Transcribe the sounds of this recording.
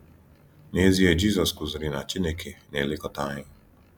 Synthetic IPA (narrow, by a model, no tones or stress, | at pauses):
neziɛd͡ʒizɔskuzɾinat͡ʃinɛkʰinɛlikɔt̪ani